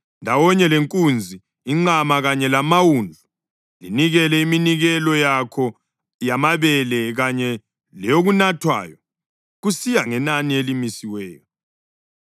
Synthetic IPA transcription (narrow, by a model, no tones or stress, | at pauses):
ndʱawɔɲɛleŋkʼund͡zʱi | iŋ͡ǃamaɣaɲɛlamawuːnd͡ɮʱu | liniɣɛlɛiminiɣɛlɔjakʰɔ | jamaβɛlɛɣaɲɛ | lɛjoɣunatʰwa̰ːjɔ | ɣusijaŋɛnanielimisiwɛːjɔ